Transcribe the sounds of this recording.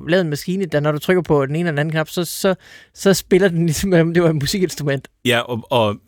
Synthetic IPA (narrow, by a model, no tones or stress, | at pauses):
lɛːenmæsɡ̥iːnəd̥ænɒɾ̥ut͡sʰʁœɡ̥ɐpʰɒ̽d̥ene̝ːnədenæn̩kʰnɑ̈b̥sɒ̽sɒ̽ | sɒ̽sb̥e̝lɐd̥enlisəmelɒ̽md̥e̝ʋɑ̈e̝d̥musiɡ̥e̝nsd̥ʁumen̰d̥jæɒ